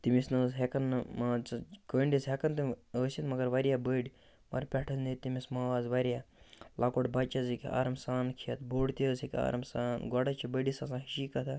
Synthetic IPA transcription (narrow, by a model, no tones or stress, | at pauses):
t̪imisnɐzɦekɐnmaːt͡ʃɐkəːɳɖisɦekɐnt̪ɨməːsʲɐt̪mɐɡɐɾʋɐɾijabəɖi | mɐ̰ɾpʲɛʈʰɐznit̪imismaːʋaːzʋɐɾijaːlakoʈbɐt͡ʃɐzikʲia̰ːɾɐmsaːnkʰijɐt̪boːɽt̪iəsikʲa̰ːɾɐmsaːnɡɔɽɐt͡ʃʰibəɖisɐsãːɦiʃiːkɐt̪ʰa